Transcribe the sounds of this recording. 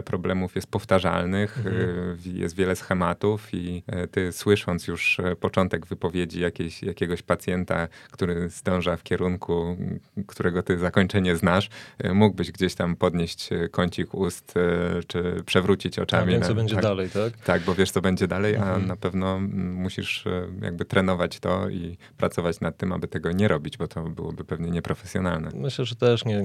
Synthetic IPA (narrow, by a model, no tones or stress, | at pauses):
pɾɔblɛmufjɛst̪̚pɔft̪aʐa̰lnɘx | jɛ̰st̪vʲjɛlɛsxɛmat̪ufit̪ɘswɘʂɔnt̪sjuʂpɔt͡ʂɔnt̪ɛɡvɘpɔvʲjed͡ʑijakʲeɕjakʲɛɡɔɕpat̪sʲjɛnt̪a̰kt̪uɾɘzd̪ɔ̃w̃ʐafkʲɛɾuŋkʰukt̪uɾɛɡɔt̪ɘzakɔɲt͡ʂɛɲɛznaʂmuɡbɘʑɡd͡ʑeɕt̪ampɔd̪ɲeɕt͡ɕkɔɲt͡ɕixust̪t͡ʂɘpʂɛvɾut͡ɕit͡ɕɔ̰t͡ʂamʲiɔbɛɲd͡ʑɛd̪alɛjt̪akt̪aɡ̚bɔvʲjɛʂt̪sɔbɛɲd͡ʑɛd̪alɛjʔanapɛvnɔmuɕiʂja̰ɡ̚bɘt̪ɾɛnɔvat͡ɕt̪ɔ̰ḭ | pɾat̪sɔvat͡ɕnat̪ːɘma̰bɘt̪ɛɡɔɲɛɾɔbʲid͡ʑbɔt̪ʰɔbɘ̰wɔbɘpɛvɲɛɲɛpɾɔfɛsʲjɔnalnɛ̰mɘɕlɛʐɛt̪ɛʂɲɛ